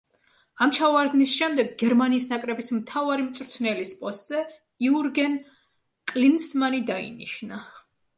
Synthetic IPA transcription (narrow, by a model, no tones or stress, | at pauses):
amt͡ʃʰavaɾd̪nisʃɛmd̪ɛɡɡɛɾmaniːsnakʼɾɛbismt̪ʰavaɾimt̪sʼɾt̪ʰnɛlispʼɔst̪ʼz̥ɛ | iuɾɡɛn | kʼlinsmanid̪aḭniʃna